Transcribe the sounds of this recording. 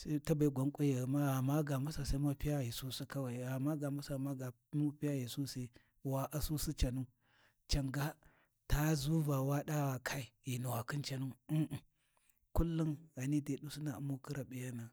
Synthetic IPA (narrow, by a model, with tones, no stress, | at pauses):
sa˦ta˦ba˨i˦ɡʷa˨˦ŋkʷʼu˦ja˨ma˦a˨ma˦ɡa˨ma˦sa˨sa˦ma˦pi˦ja˦ji˨su˦si˦ka˦wa˨i˨a˨mːa˦ɡa˨ma˦sa˨ma˦ɡa˨ | mu˦pi˦a˦ji˨su˦se˦ | wa˨ʔa˨su˦si˦t͡ʃa˨nu˦ | t͡ʃa˨ŋɡa˦ | ta˦zu˦va˨wa˦ɗa˦wa˨kʰa˦i˨i˨nu˨wa˨ki˦nt͡ʃa˨nu˦˨ | ku˦lːu˦nɣa˨ni˦de˨ɗu˦si˦na˨u˦mːu˦ki˦ɾa˨ɓi˨ja˦na˨